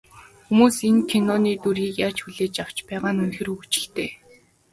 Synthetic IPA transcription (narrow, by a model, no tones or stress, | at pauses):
xumuːsenkʰenɔniːt̪uɾiːkjaːt͡ɕxuɮeːt͡ɕaw̥t͡ɕpæːʁaːnunxĕruɣɘt͡ɕɪ̆ɬt̪eː